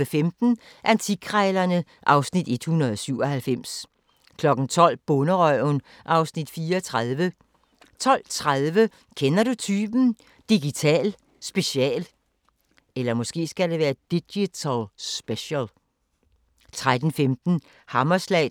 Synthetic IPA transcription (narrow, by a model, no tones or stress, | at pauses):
əfemd̥n̩ | ʔænt͡sʰiɡ̥ʰʁɛːɪlɐnə | ʔɑ̈ʊsnid̥e̝d̥hunɐðˠɒsyʊ̰ɒhælfem̰s | kʰlɒ̽ɡ̥n̩t͡sʰɒ̽l̰b̥ɔ̽nəʁœʊn | ʔɑ̈ʊsnid̥fiːɐɒt͡sʰʁaðˠʋə | t͡sʰɒ̽l̰t͡sʰʁaðˠʋə | kʰenɐɾut͡sʰyːb̥n̩ | d̥iɡ̥it͡sʰɛ̰ːl | sb̥e̝ɕiɛ̰ːl | elɐmɔ̽sɡ̥e̝̰ːsɡ̥æde̝ʋæːɐd̥iɡ̥it͡sʰælsb̥eɕəl | t͡sʰʁad̥n̩femd̥n̩ | hɑ̈mɐslɛ̰